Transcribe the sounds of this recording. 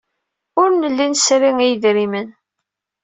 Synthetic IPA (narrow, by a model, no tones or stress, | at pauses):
ʊɾnəlːinsɾiŋijðɾimən